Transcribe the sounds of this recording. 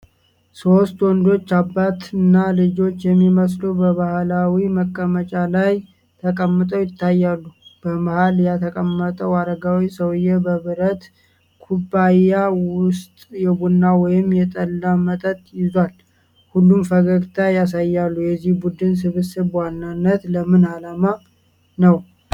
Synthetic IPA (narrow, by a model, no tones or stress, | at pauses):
so̞st̪wɔnd̪o̞t͡ʃːabːat̪ɨnːalɨd͡ʒo̞t͡ʃːjɛmːiməs̬lubəβahlawiməkʼːəmət͡ʃʼalaj | t̪ʰəkʼəmːɨt̪ʼəwjɪt̪ʰːajːalːub̥əmahaljat̪ʰəkʼəmːət̪ʼəwaɾəɡawisəwɨjɛbəβɨɾət̪ | kʰubːajːawʊst̪ʼjɛbunːawɔjɪmːjɛt̪ʼəlːamət̪ʼət̪ʼjɪzwal | hulːumfəɡəɡt̪ʰajas̬ajːalːujɛzːihbud̪ɨns̬ɨβɨsɨβwanːanːət̪ləmɨnalama | nəw